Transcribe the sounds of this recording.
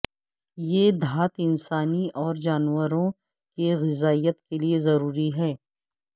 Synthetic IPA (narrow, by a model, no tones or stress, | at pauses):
jeːd̪ʱaːt̪ɪnsaːniʔɔːɾd͡ʒaːnwəɾõ | keɣɪzaːijət̪keliezɐɾuːɾiɦɛː